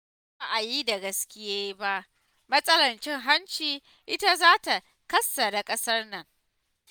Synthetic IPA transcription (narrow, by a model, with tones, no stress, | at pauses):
a˦ʔa˨jiː˦da˨ɡɐ˦skʲɪ˦jaː˦jba˦ʔ | mɐ˦sʼɐ˦lɐ˨nt͡ʃɪ˦ŋɦa˦nt͡ʃiː˨ | ʔɪ˦ta˦zaː˦ta˨ | kɐ˦sːa˨da˨kʼɐ˦sɐ˦rnɐ˨ŋ